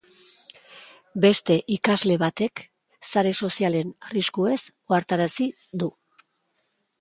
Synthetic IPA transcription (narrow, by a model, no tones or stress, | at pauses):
be̞st̪e̞ʔikazle̞βat̪e̞k | saɾe̞so̞siale̞nriskue̞s | o̞aɾt̪aɾasi | d̪u